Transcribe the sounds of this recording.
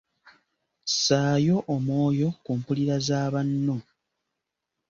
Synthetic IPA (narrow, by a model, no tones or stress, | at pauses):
saːjo̞ʔomo̞ːjo̞kuːmpuliɾazaːβanːo̞